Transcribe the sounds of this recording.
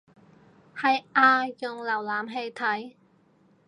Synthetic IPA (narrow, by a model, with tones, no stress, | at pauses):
hɐ˨jʔaː˧jʊ˨ŋlɐ˨˩wlaː˨mɦe˧jt̪ʰɐ˨˥j